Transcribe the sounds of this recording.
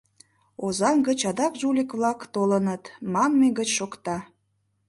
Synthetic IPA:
ozɑŋɡət͡ɕɑd̪ɑkʒulʲikβlɑkt̪olənət̪mɑmːeɡət͡ɕʃokt̪ɑ

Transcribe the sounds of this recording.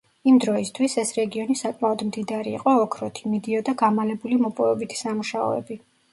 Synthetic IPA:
imd̪ɾɔist̪ʰwisɛsɾɛɡiɔnisakʼmaɔd̪md̪id̪aɾḭːqʼɔːkʰɾɔt̪ʰimid̪iɔd̪aɡamalɛbulimɔpʼɔvɛbit̪ʰi̥samuʃaɔ̰ɛ̰bi

